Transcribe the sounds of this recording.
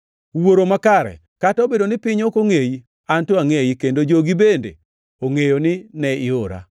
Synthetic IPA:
woɾomakaɾɛ̰ | kataobedonɪpɪɲokoŋeji | antoaŋejikendod͡ʒoɡibendḛ | oŋejonɪnɛɪoɾa̰

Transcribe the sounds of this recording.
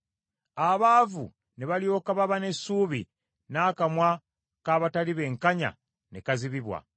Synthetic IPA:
aβaːvṵ | neβalijo̞ːkaβaβane̞sːuːβḭ | naːkamwa | kaːβataliβe̞ːŋkaɲa̰ | nekaziβiβwa̰

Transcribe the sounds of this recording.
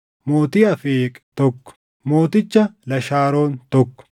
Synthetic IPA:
moːt̪iːɐfeːkʼt̪ɔkːɔ̥ | mo̞ːt̪ɪt͡ʃːɐlɐʃaːɾo̞ːnt̪ɔkːɔ̥

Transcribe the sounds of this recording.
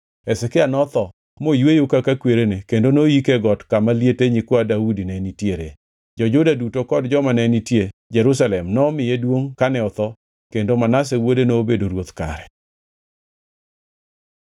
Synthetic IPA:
ɛsɛkɪanɔt̪ɔ | mojwejokakakweɾenekendonoikeɡɔtkamaljeteɲikwoadaudinɛnitjeɾe | d͡ʒɔd͡ʒʊdadutokɔdd͡ʒɔmanɛnitjed͡ʒɛɾus̬alɛmnɔmɪjedwoŋkanɛɔt̪ɔ | kendomanas̬ɛwodenoːbedoɾwot̪ka̰ɾɛ

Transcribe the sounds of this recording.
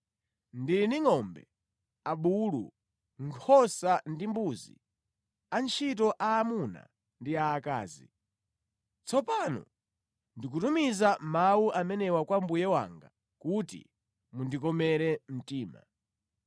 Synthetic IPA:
ndiɾiniŋɔmbɛ | aɓulṵ | ŋkʰɔsandimbuzḭ | ant͡ʃʰit̬ɔʔaːmuna̰ | ndiaːka̰ːzi | t͡sɔpanɔ̰ | ndik̬utumizamawuʔamɛnɛwakwambujɛwa̰ŋɡa̰ | kutḭ | mundik̬ɔmɛɾɛm̩tiːma̰

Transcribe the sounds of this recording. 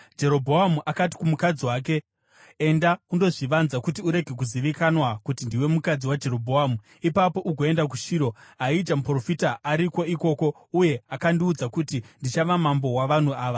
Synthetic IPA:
d͡ʒe̞ɾo̞bʱoɦamuʔakati̥kumukad͡ziwaːk̬e̞ː | ndaundo̞ʐiʋanzakutiuɾe̞ɡʱe̞k̬uziʋikanwakutindiwe̞mukad͡ziwad͡ʒe̞ɾo̞bʱoɦaːmu | ipapo̞ʔuɡʱo̞e̞ndak̬uʃiːɾo̞ɦaid͡ʒamupro̞fitaaɾiko̞iko̞ːko̞ | uje̞akandiud͡zakutindit͡ʃaʋamambo̞waʋan̤uaːʋa

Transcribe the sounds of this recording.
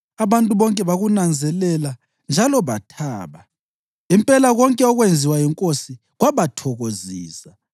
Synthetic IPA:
aβantʼuβɔŋkʼɛβaɣunand͡zʱɛlɛla | nd͡ʒʱalɔβatʰaːβa | impʼɛlaɣɔŋkʼɛɔɣwend͡zʱiwajiŋkʼosi | ɣwaβatʰɔɣoziːsa

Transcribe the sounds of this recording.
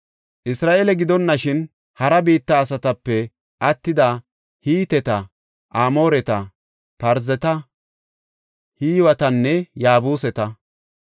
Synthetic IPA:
ʔɪsɾaːʔeːlɛɡɪd̪ɔnːɐʃɪn | hɐɾɐbiːt̪ːɐːs̬ɐt̪ɐpːɛ | ʔɐt̪ːɪd̪a | hiːt̪ɛt̪ɐ | ʔaːmo̞ːɾɛt̪ɐ | pɐɾzɛt̪ɐ | hiːwɐt̪ɐnːɛjaːbuːsɛt̪ɐ

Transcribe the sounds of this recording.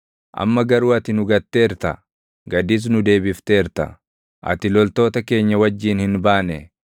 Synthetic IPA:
ʔɐ̰mːɐɡɐɾuːɐt̪ɪnʊɡɐt̪ːe̞ːɾt̪ɐ | ɡɐd̪ɪs̬nʊd̪e̞ːbɪft̪e̞ːɾt̪ɐ̰ | ʔɐ̰t̪ɪlɔlt̪o̞ːt̪ɐke̞ːɲːɐwɐd͡ʒːiːnhɪnbaːnɛ

